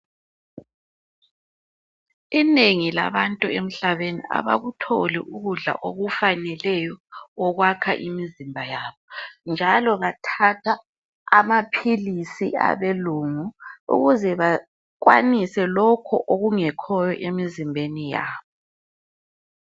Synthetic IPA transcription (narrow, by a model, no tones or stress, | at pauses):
ineŋila̰βantʼuem̩ɬaβenḭʔa̰βa̰ɣutʰolḭʔuɣuɮa̰ʔoɣufanɛlɛjɔɔɣwakʰa̰ʔimizimbʱajaːβɔnd͡ʒʱalɔɣatʰatʰaː | mapʰilisia̰βeluːŋuṵɣuzɛβa | kwa̰nisɛlɔkʰɔʔoɣuŋɛkʰɔjɔʔemizimbʱenija̰ːβɔ